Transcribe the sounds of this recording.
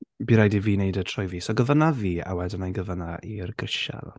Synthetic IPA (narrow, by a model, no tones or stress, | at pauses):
biɾajdiviːnejdətʰrɔjviːsɔɡəvənaviːa̰wɛdənajɡəvənairɡrɪʃa̰ðɔ̰